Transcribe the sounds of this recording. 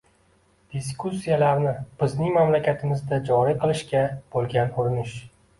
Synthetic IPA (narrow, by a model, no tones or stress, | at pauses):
d̪̥is̬kʰusːijalaɾnɪb̥ɪznɪŋmamlakʲat̪ʰɪmɪzd̪ad͡ʒɒɾiqʰɨlˠɪʃkʲab̥olˠɡʲanʊɾɪnɪʃ